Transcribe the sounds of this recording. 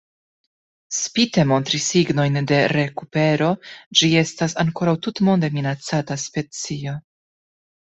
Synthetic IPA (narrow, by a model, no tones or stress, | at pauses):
spite̞mo̞ntɾisːiɡno̞jnde̞ɾe̞kupe̞ɾo̞d͡ʒie̞stasaŋko̞ɾawtutmo̞nde̞minat͡sataspe̞t͡sio̞